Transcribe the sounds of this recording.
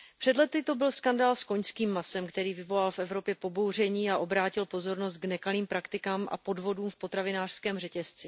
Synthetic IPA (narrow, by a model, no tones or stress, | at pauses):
pr̝̥ɛdlɛt̪ɪt̪o̞bɪlskandaːlsko̞ɲskiːmːasɛmkt̪ɛɾiːvɪvo̞lalfɛvɾo̞pjɛpo̞bo̞wr̝ɛɲiːaʔo̞bɾaːcɪlpo̞zo̞ɾno̞st̪̚ɡnɛkaliːmpɾakt̪ɪkaːmʔa̰po̞dvo̞duːmfpot̪ɾavɪnaːr̥skɛːmrɛcɛst͡sɪ